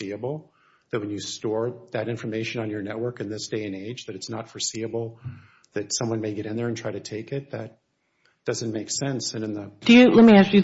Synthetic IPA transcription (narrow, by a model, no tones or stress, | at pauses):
iɨbl̩ˠ | ðɨt̚wɨ̃njɨstɔɹðɨɾɪ̃ɱfə˞meɪʃɨ̃nə̃njə˞nɛʔ̚wɜ˞kɨ̃nðɪsd̥eɪɨ̃neɪd͡ʒðɨɾɨtsnətfə˞siɨbl̩ˠðɨtsʌ̃mwʌ̃nmeɪɡɛɾɨ̃nðə˞ɨ̃ntʰɹ̥aɪɾɨtʰeɪkɪt̪̚ðɨt̚ | d̥ʌzɨ̃nmeɪksɛ̃nsɨ̃nɨ̃nðɨd̥ɨjɨlɛt̚miæsɨ